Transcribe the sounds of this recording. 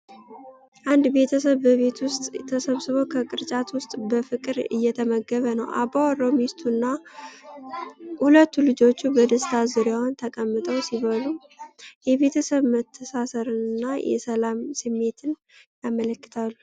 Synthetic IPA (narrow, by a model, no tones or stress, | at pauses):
ʔand̪be̞t̪ʰəsəβːəβe̞t̪wʊst̪ʼt̪ʰːəsəβsɨβo̞kʰəkʼɨɾt͡ʃʼat̪wʊst̪ʼbəfɨkʼɨɾɨ̰jːɛt̪ʰəməɡəβənəwʔabawɾo̞mist̪ʰunːa | hulət̪ːulɨd͡ʒo̞t͡ʃːubəd̪əst̪ʰazɨɾjawnt̪ʰəkʼəmːɨt̪ʼəwsiβəlu | jɛβe̞t̪ʰəsəβmət̪ʰːəsasəɾɨnɨnːajʔɛ̰səlamsɨmːe̞t̪ʰɨn | jamələkːɨ̥t̪ʰalːu